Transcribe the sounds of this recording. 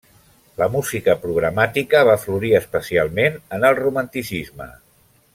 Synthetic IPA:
ləmuzikəpɾuɣɾəmat̪ikəβ̞afluɾiəspəsialˠmenənəlˠrumənt̪isizmə̰

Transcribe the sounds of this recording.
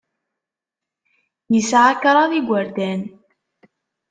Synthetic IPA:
jəsʕakɾˤɑðiɡʷaɾd̪æn

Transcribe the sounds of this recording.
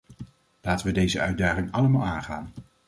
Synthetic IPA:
laːtəʋədejzəœ̰ɥdaːχɪŋɑlˠəmaːlˠaːnχaːn

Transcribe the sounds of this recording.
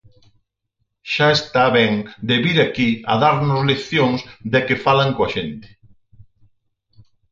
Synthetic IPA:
ʃaest̪aβɛŋd̪eβiɾakiɐ̰ðaɾnʊzleθjõŋsd̪ɪkefalaŋkoɐʃent̪ɪ̥

